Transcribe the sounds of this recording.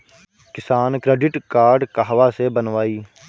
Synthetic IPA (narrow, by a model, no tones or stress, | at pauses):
kɪsaːnkɾeːɖɪʈkaːɾɖkaɦʋasebənʋaːiː